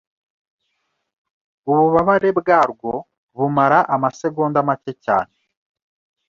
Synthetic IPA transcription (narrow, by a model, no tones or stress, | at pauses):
uβuβaβaɾe̞bɡaːɾɡwo̞ | βumaɾaʔamase̞ɡoːndamace̞ca̰ːne